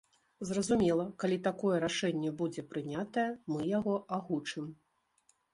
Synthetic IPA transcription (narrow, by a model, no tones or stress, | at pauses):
zrɐzumʲɛlˠɐkalʲit̪akɔjɛɾaʂɛnʲːɛbud͡zʲɛpɾɨnʲat̪ɐjɛmɨjaɣɔʔaɣut͡ʂɨm